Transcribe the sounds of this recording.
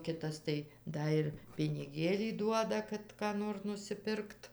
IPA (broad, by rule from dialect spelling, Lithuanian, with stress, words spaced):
ˈkʲɪtɐs tɐɪ ˈdɐ ɪr pʲɪnʲɪˈɡʲeːlʲiː ˈduɔdɐ ˈkɐt kɑː ˈnoːr nʊsʲɪˈpʲɪrkt